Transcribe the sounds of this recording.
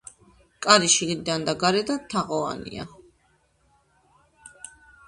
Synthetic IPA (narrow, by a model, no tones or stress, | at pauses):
kʼaɾiʃiɡɾid̪and̪aɡaɾɛd̪at̪ʰaʁɔa̰nḭa̰